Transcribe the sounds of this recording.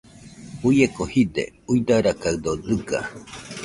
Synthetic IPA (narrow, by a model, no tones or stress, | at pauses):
ujekohid̪ḛ | ujd̪aɾakaɨd̪od̪ɨɡa̰